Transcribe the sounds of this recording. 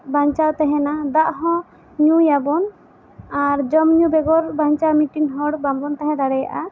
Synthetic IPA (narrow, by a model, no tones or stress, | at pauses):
baɲt͡ʃat̪ɛɦɛ̃nad̪aʔɦɔ̃ | ɲujabɔn | aɾd͡ʒɔmɲũbɛɡɔɾbaɲt͡ʃamiʈiŋɦɔɽbambɔnt̪aɦɛ̃d̪aɽɛja̰ʔa